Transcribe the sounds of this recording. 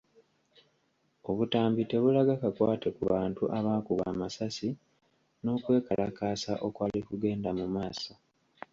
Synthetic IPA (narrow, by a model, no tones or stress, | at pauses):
o̞βutaːmbite̞βulaɡakakwaːtekuβaːntuʔaβaːkuβa̰ːmasasi | no̞ːkwe̞ːkalʔakaːsaʔo̞kwaːlikuɡe̞ːndamumaːsa